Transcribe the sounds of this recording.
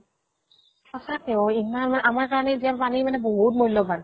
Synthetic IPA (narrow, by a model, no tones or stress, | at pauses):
ɔsakeoimanmanʔamaɹkaɹɔneziapanijmanɛboɦut̚mojlːɔban